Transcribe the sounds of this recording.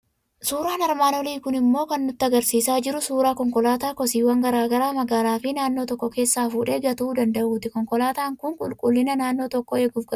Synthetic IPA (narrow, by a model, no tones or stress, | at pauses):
suːɾaːnɐɾmaːnɔliːkʊnɪmːo̞ːkɐnːʊt̪ːɪɐɡɐɾsiːsaːd͡ʒɪɾʊsuːɾaːkɔŋkɔlaːt̪aːkɔsiːwɐŋɡɐɾaːɡɐɾaːmɐɡaːlaːfɪnaːnːo̞ːt̪ɔkːɔke̞ːsːaːfuːᶑeːɡɐt̪uːd̪ɐnd̪ɐʔuːt̪ɪkɔŋkɔlaːt̪aːŋkʊŋkʼʊlkʼʊlːɪnɐnaːnːoːt̪ɔkːɔeːɡuːfkɐ